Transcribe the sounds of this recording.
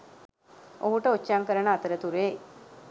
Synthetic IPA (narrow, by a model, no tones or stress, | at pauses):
oɦuʈəot͡ʃːaŋkəɾəɳəat̪əɾət̪uɾe